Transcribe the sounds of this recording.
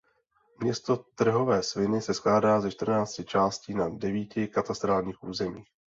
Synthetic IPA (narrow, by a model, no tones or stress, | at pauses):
mɲɛst̪ot̪r̩ɦo̞vɛːsvɪnɪsɛsklaːdaːzɛʃt̪r̩naːt͡scɪt͡ʃaːsciːnadɛviːcɪkat̪ast̪ɾaːlɲiːxʔuːzɛmiːx